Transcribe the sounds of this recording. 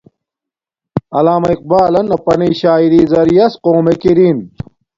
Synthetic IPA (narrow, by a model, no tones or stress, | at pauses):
ɐlaːmɐiq̚baːlɐnɐpɐniːɕaːiɾiːzɐɾjɐsqoːmekiɾiːn